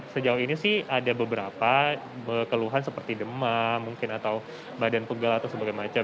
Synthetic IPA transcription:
səd͡ʒauɦinisɪhadabəbəɾapa | əkəluɦansəpərt̪idəmamuŋkɪnat̪aw | badanpəɡalat̪awsəbaɡajmat͡ʃa

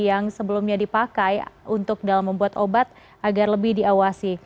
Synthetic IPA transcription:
jaŋsəbəlumɲadipakajunt̪ʊk̚dalamːəmbuat̪obat̪̚ | ʔaɡarləbɪhdiawasi

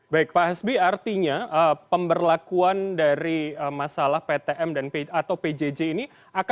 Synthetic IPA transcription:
baɪk̚paɦɛsbiart̪iɲaʔəpəmbərlakuandaɾiəmasalahpet̪eʔɛmdanpeat̪awped͡ʒed͡ʒeini | aka

